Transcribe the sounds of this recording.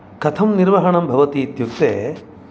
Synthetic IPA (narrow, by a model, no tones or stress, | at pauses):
kɐt̪ʰɐmniɾʋɐɦɐɳɐmbʱɐʋɐt̪iːt̪juk̚t̪ḛː